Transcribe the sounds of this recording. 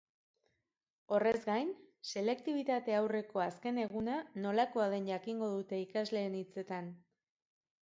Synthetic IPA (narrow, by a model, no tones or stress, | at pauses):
o̞re̞zɡajnse̞le̞kt̪iβ̞it̪at̪e̞awre̞ko̞aske̞ne̞ɣ̞unano̞lako̞að̞e̞nʝakiŋɡo̞ðut̪e̞ikazle̞ːnit͡se̞t̪an